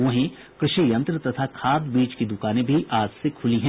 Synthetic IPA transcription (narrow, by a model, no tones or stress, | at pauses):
õɦẽ | kɾɪʃijɐ̃nt̪ɾət̪ɐt̪ʰakʰaːb̪biːt͡ʃkid̪ʊkaːnẽbʱiʔaːd͡ʒsekʰʊliɦɛ̃